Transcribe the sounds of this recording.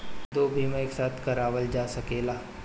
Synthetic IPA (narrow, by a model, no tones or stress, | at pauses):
d̪oːbʱiːmẽeːksaːt̪ʰkɐɾaːʋəld͡ʒaːsɐkeːlaː